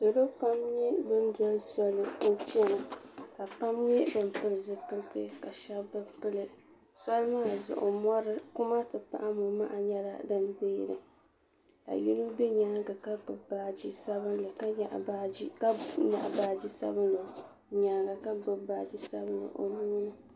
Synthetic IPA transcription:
sɨ˨lo˦pa˦mɲɛ˦bɨ˦nda˦sɔ˦lɨ˨o˦t͡ʃɛ˦nɨ˨ka˨pa˦mɲɛ˦bɨ˦mpɨ˦lɨ˨zɨ˦pɨ˦ltɨ˦ka˨ʃɛ˦bbɨ˦pɨ˦lɨ˨ | sɔ˦lmaː˦˨zʊ̰˨ʔʊ̰˨mɔ˦ɾɨ˦kʊ˦ma˦tɨ˨pa̰˦ʔa˦mʊ˨ma̰˦ʔa˨ɲɛ˦la̰˦dɨ˦nbeː˦ɾɨ̰˨ | ka̰˨ji˦nu˦bɛ˦ɲaː˦ɡa˨ka˦ɡ͡bɨ˨ba˨d͡ʒi˦sa˦βɨ˦nlɨ˨ka˦˨˦ka˦ɲa̰˨ʔbaː˦d͡ʒi˦sa̰˦bnlo˨ | ɲaː˨˦ɡa˨ka˦ɡ͡bɨ˨ba˨d͡ʒi˦sa˦bɨ˦nlɨ̰˨ʔo̰˨mi˦ɲi˦nɨ˦

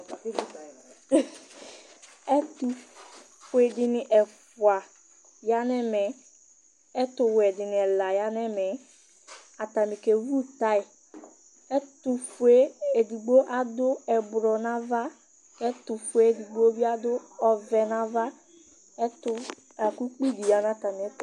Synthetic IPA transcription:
ɛ˦tu˨ | fu˨e˨dɪ˨nɪ˨ʔɛ˨fʊ˨a˨ | ja˦nɛ˦mɛ˨ | ɛ˦tʊ˨wɛ˨dɪ˨nɪ̃˨ɛ˨la˨ja˦nɛ˦mɛ˨ | a˨ta˨mĩ˨ke˨vu˦t̪a˦ɪ˨ | ɛ˦tʊ˨fu˨e˦e˨di˨ɡ͡bo˦ʔa˨dʊ˦ɛ˨bɾɔ˨nã˦va˦ | kɛ˦tʊ˨fe˦˨di˨ɡ͡bo˦bi˦a˦dʊ˦ɔ˨vɛ˨nã˨˦va˦ | ɛ˦tʊ˦ | a˨ku˦k͡pi˦di˨ja˨n˦a˨ta˨mi˨ɛ˦

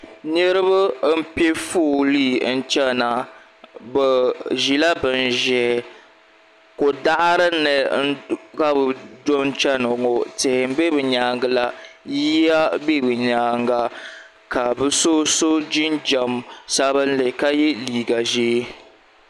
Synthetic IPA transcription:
ne˦ɾɨ˦bɨ˦m̩˦pe˦fuː˦˨liː˦˨n̩˦t͡ʃɛ˦na˨ | bɨ˨ʒi˨la˦bɨ˨n˨ʒɛ˨ | ko˨da˦ʔɾɨ˦nɨ˨n̩˦ka˦bɨ˨do˦n˦t͡ʃɛ˦nɔ˨ŋo˨te˨m̩˦be˦bɨ˨ɲaː˨ŋɡɨ˦la˨ji˦ja˦be˦˨bɨ˨ɲaː˨ŋɡa˨ | ka˨bɨ˦so˦so˦d͡ʒi˦nd͡ʒa˨msa˦βɨ˦n̩˦le˨ka˦jɛ˦liː˨ɡa˨ʒiː˦

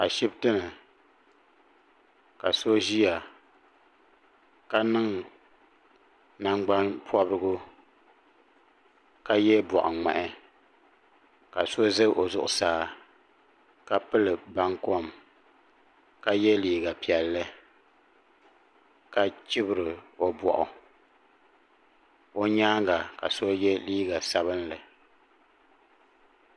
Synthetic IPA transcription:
ka˨ʃi˦btɨ˦nɨ˨ | ka˨so˦ʒi˦ja˨ | ka˦nɨ˦ŋ | na˦ŋɡ͡ba˦npʰwɔ˦bɾɨ˦ɡʊ˦ | ka˦jɛ˦bɔ̰˨ʔŋ͡mɛ̰˨ʔɛ˨ | ka˨so˦ze˦ʔo˨zʊ˦ʔʊ˨saː˨˦ | ka˨pɨ˦lɨ˨ba˦ŋkɔ˦˨m | ka˦jɛ˦liː˦ɡa˨pi˨ɛ˨lːɨ˦ | ka˨t͡ʃɪ˦bɨ˨ɾɨ˨o˨bɔ̰˨ʔʊ˨ | o˦ɲaː˦ŋɡa˨ka̰˨so˦jɛ˦liː˦ɡa˨sa˦βɨ˦nlɨ˨

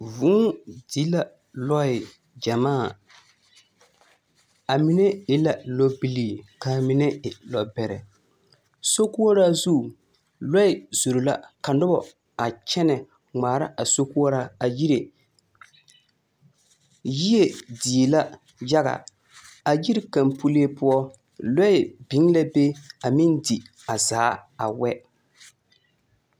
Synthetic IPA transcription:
vʊ˦di˦la˦ | lɔ˦ɪ˨ | d͡ʒa˨maː˦˨ | a˨mɪ˦nɛ˦ɪ˦la˨lɔ˦bi˦li˨ka˨mɪ˨nɛ˦ɪ˨lɔ˨bɛ˨ɾɛ̰˨ | so˦ku˦ɔ˦ɾa˦zu˦˨ | lɔ˦ɪ˨z̥o˨ɾo˨la̰˦ka˨nʊ˦bɔ̰˨ | a˨t͡ʃɛ˦nɛ˨ | ŋ͡maː˨ɾa˦ʔa˨so˦ku˦ɔ˦ɾa˦a˨ji˦ɾe˨ | ji˦e˨di˨la˦ | ja˦ɣa̰˨ | a˨ji˦ɾka˨mpu˦li˦e˦pʊ˦ɔ˦ | lɔ˦ɪ˨bi˦ŋla˦be˦a˨mɪ˦ndi˨ | a˨zaː˨˦a˨wɛ˦

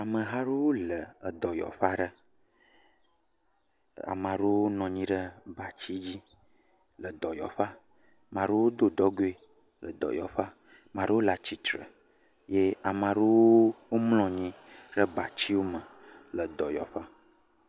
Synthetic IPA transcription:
a˨mə̃˨ɦa˦ɖe˦wo˦lə˨ə˨d̪ɔ˨jɔ̰˨ɸa˦ɖə˦ | a̰˨mã˨ɖo˦wo˦nɔ̃˨ɲĩ˦ɖə˦ba˨t͡ɕi˦d͡ʑi˦ | lə˨d̪ɔ˨jɔ̰˨ɸa˦ | mã˨ɖo˦wo˦d̪o˦˨d̪ɔ˦ɡo˦e˦ | lə˨d̪ɔ̰˨jɔ̰˨ɸa˦ | mã˨ɖə˦wo˦la˨t͡ɕi˦t̪ɾə̰˨ | je˦a˨mã˨ɖo˦wo˦wo˦mlɔ̃˨ɲĩ˦ | ɖə˦ba˨t͡ɕi˦wo˦mə̃˨ | lə˨d̪ɔ˨jɔ̰˨ɸa˦

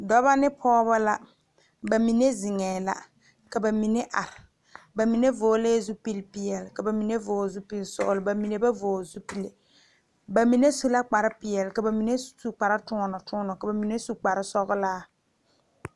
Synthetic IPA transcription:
dɔ˦ba˦nɪ˦pʰɔː˦βa˦la˦ | ba˨mi˨ne˦zɪ˨ŋɛː˨la̰˦ | ka˨ba˨mi˨ne˦ʔa˨ɾɪ˨ | ba˨mi˨ne˦voː˨˦leː˦zu˦pi˦lpɪ˦jɛ˨lka˨ba˨mi˨ne˦voː˨zu˦pi˦lsʊ̰˨ʔʊ˨lɪ˨ba˨mi˨ne˨ba˦voː˨zu˦pi˦le˨ | ba˨mi˨ne˦su˦la˦k͡pa˨ɾɪ˦pɪ˨jɛ˨lka˨ba˨mi˨ne˦su˨k͡pa˨ɾa˦tʊ˦ŋɔ˦nɔ˨tʰʊː˦nɔ˨ka˨ba˨mi˨ne˦su˨k͡pa˨ɾɪ˦sɔ˦ɣʊ˦laː˦

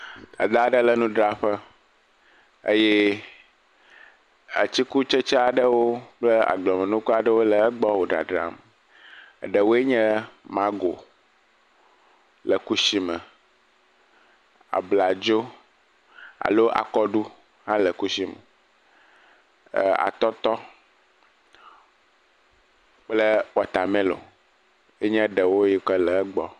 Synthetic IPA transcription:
a̰˨d̪a˦ɖə˦lə˨nũ˦ɖɾa˨ɸə˦ | ə̰˦jɛ˦ | ə̰˨t͡ɕi˦ku˦t͡ʃə˦t͡ʃa˦a˨ɖə˦wo˦k͡plə˦a̰˨ɡ͡blɔ˨mə̃˨nũ˦ku˦a˨ɖə˦wo˦lə˨ə˦ɡ͡bɔ˦wo˨ɖɾa̰˨ɖɾa̰˨m̰˨ | ɖə˨wo˦e˦ɲɛ̃˦mã˦ɡo˨ | lə˨ku˦si˦mə˨ | a̰˨bla˨d͡ʒo˦ | a̰˨lo˦ʔa̰˨kɔ˦ɖu˦ | hã˦lɛ˨ku˦si˦m̰˨ | a̰˨t̪ɔ˦t̪ɔ˦ | k͡ple˦wɔ˨t̪a˨mɛ̃˦lo̰˨ | e˦ɲɛ̃˦ɖə˨wo˦ji˦k͡pɛ˦lɛ˨ɛ˦ɡ͡bɔ˦

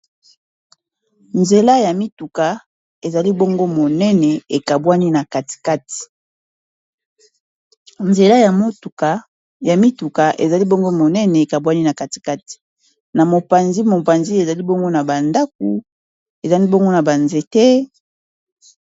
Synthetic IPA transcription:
nze˨la˦ja˨mi˦tu˨ka˨ | e˨za˨li˦bo˦ŋɡo˦mo˨nɛ˦nɛ˨e˨ka˨bwa˦ni˦na˨ka˨ti̥˨ka˦ti̥˨ | nze˨la˦ja˨mo˦tu˨ka˨ | ja˨mi˦tu˨ka˨ʔḛ˨za˨li˦bo˦ŋɡo˦mo˨nɛ˦nɛ˨e˨ka˨bwa˦ni˦na˨ka˨ti̥˨ka˦ti̥˨ | na˨mo˨pa˨nzi˦mo˨pa˨nzi˦e˨za˨li˦bo˦ŋɡo˦na˨ba˨nda˦k̚ṵ˨ | e˨za˨li˦bo˦ŋɡo˦na˨ba˨nze˨tɛ˦

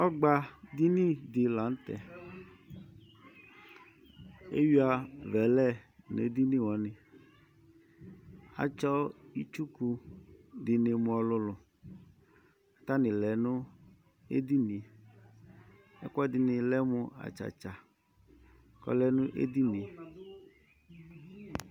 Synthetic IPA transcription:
ɔ˦ɡ͡ba˨d̪i˦ni˦d̪ɪ˨la˨˦n̩˦t̪ɛ̰˨ | ḛ˦ji˦a˨vɛ˨lɛ˦nḛ˨˦d̪i˦ni˦wɔ˨˦nɪ˨ | a̰˨t͡ʃɔ˦i˦t͡ʃu˦ku˧dɪ˨nɪ˨mʊ˨˦ɔ˧lʊ˧lʊ˨ | ta˦nɪ˨lɛ˨nʊ˦ | ḛ˦di˦ni˨ | ɛ̰˦kʷɔ˦dɪ˨nɪ˨lɛ˦mʊ˧a̰˨t͡ʃa̰˨t͡ʃa˨ | kɔ̰˦lɛ˨nʊ˦ʔḛ˦di˦ni˨

